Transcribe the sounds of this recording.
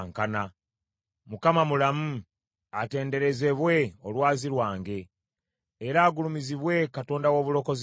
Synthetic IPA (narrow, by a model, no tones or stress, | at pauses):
ŋkana | mukamamulamu | ate̞ːnde̞ɾe̞ze̞βwe̞olwaːziɾwaːŋɡe̞ː | ɾaːɡulumiziβwe̞kato̞ːndawo̞ːβulo̞koz